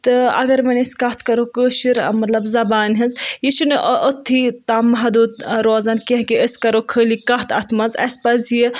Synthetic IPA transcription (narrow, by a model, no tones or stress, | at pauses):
t̪ɨɐ̰ɡɐɾmɐnʲɐskɐt̪ʰkɐɾokəːʃiɾ̰mɐt̪lɐbzɐbaːnɦɐnzjiʃunɨʔʔot̪ʰːit̪aːmːɐɦd̪uːd̪ɾoːzankɐɦkiəskɐɾokʰəːlikɐt̪ʰɐt̪mɐnzɐ̰spɐzji